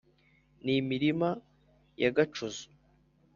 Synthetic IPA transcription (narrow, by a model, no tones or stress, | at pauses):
nimiɾima | ja̰ɡat͡ʃuzu̥